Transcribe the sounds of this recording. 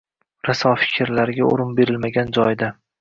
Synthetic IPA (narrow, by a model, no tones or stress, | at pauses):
ɾasɒfɪ̥kʲʰɪɾlaɾɪɡʲao̰ɾɪnbe̞ɾɪlmaɡʲand͡ʒɒjd̪a